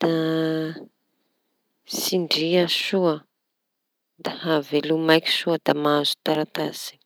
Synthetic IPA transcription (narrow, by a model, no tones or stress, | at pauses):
d̪̥a | siɳɖ͡ʐiasuə | d̪ahavelumajkʲi̥ʃuəd̪̥amazu̥t̪aɾat̪az̥i̥